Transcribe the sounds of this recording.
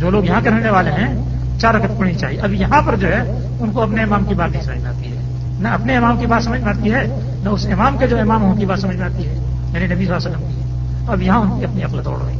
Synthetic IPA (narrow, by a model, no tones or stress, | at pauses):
d͡ʒoːloːɡjɐɦãkeɾɐɦneʋaːleɦɛ̃ | t͡ʃaːɾɐkət̪pɐɽnit͡ʃa̰ːɦieʔɐbjɐɦãpɐɾd͡ʒoːɦɛ | ʊnkoɐpneːmaːmkibaːt̪nəɦĩsɐməd͡ʒmẽa̰ːt̪iɦɛː | nɐɐpneeːmaːmkibaːt̪sɐməd͡ʒʱmẽaːt̪iɦɛː | nɐʊseːmaːmked͡ʒoːeːmaːmɦõɦkibaːt̪sɐməd͡ʒmẽaːt̪iɦɛː | jaːninɐbʱisaːsəkəmt̪iɦɛ | ɐbjɐɦãʊnkiɐpniɐklət̪ɔ̰ːɽa̰ːḛ̃ː